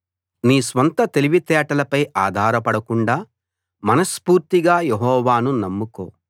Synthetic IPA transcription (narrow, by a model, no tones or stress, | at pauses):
niːsʋɐnt̪ɐt̪eliʋit̪ɛːʈɐlɐpɐjaːd̪ʱaːɾɐpɐɽɐkuɳɖaː | mɐnɐspuːɾt̪iɡaːjeɦɔːʋaːnunɐmːuko̰ː